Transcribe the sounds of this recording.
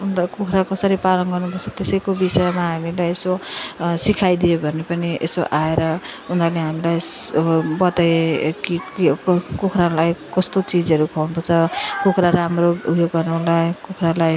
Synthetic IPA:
und̪akokʰɾakʌsʌɾipalʌnɡʌrnupʌrt͡sʰʌt̪esʌjkobisʌemaɦamilajesosikʰajd̪ijobʱʌnepʌniʔḛsoʔaeɾʌund̪aleɦamilaj | bʌt̪eki | kokʰɾalajkʌst̪ot͡sid͡zʌɾukʰawnupʌt͡sʰʌkokʰɾaɾamroṵbjoɡːʌrnulajkokʰralaj

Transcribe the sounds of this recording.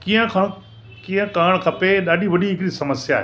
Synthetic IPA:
kiə̃kʰɐɽ̃ | kĩːə̃kaːɽ̃kʰɐpeɗaːɗiʋɐɗiɦɪkɾisɐməsja̰ːɦe

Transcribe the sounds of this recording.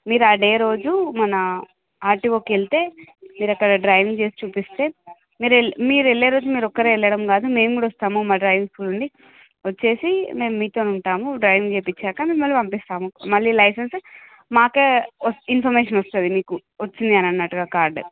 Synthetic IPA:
miːɾaːɖe̞ːɾo̞ːd͡ʒumɐnɐ | aːɾʈiʋoːkeɭit̪e̞ːmiːɾɐkːɐɽɐɖɾɐjʋiŋɡt͡ʃe̞ːsi̥t͡ʃuːpist̪e̞ː | miːɾemiːɾeɭːeːɾo̞ːd͡ʒumiːɾɔkːɐɾeːɛɭːɐɽɐmkaːd̪ume̞ːmɡuːɽɐɔst̪aːmumaːɖɾɐːjʋiŋskuːluɳɖi | ʋɐt͡ʃːe̞ːsime̞ːmmiːt̪o̞ːnuɳʈaːmuɖɾɐjʋiŋɡt͡ʃeːpit͡ʃːaːkɐmiːɾumɐɭːipɐmpist̪aːmumɐɭːilɐjsɐns | maːkeːɐinpʰɐɾmeːʂɐnɐst̪ɐd̪imiːku | ʋɐt͡ʃːind̪iɐnɐnːɐʈːuɡaːkaːɾɖ

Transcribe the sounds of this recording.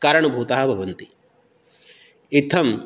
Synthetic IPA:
kaːɾɐɳ̃ubʱuːt̪aːɦɐ̆bʱɐʋɐnt̪i | it̪ʰːɐm

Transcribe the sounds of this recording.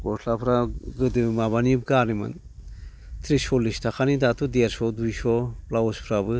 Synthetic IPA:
ɡɔtʰlapʰɾaɡɯd̪ɨmaβanib̚ɡanimɯ̰n | t̪ʰɾiʃɔlist̪ʰakʰanid̪at̪ʰud̪eɾsɔd̪ujʃɔplaospʰɾabɯ

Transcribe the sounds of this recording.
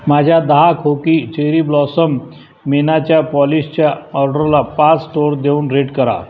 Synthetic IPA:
mad͡ʑʱjad̪əɦakʰokit͡ɕeɾiblɔsəmː | enat͡ɕjapɔlist͡ɕjaɔɾɖəɾlapat͡sʈoɾd̪euːnɾeʈkəɾa̰

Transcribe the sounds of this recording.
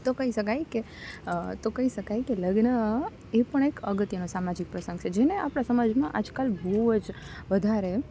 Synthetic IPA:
t̪okəiʃəkajke | t̪okəɦiʃəkajkeləɡnə | epəɳ̃ekəɡət̪jənosamad͡ʒik̚pɾəsə̃ŋɡt͡ʃʰed͡ʒeneapɳ̃asəmad͡ʒmãʔad͡ʒkalbod͡ʒ | ʋəd̪ʱaɾe

